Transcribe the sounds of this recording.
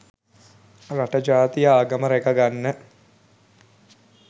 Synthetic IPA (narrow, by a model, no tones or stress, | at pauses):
raʈəd͡ʒaːt̪ijəaːɡəməɾekəɡanːə